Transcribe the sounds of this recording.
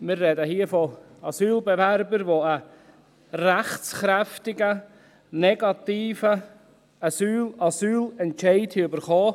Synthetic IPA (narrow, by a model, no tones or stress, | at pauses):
mɪɾrɛdəhiːəfo | ɑsyːlbɛvæɾbəɾʋoə | ræχt͡sχɾɛftɪɡə | nɛɡɑt̪iːfə | ɑsyːlɑsyːlɛntʃɛɪthiʏbəɾχɔː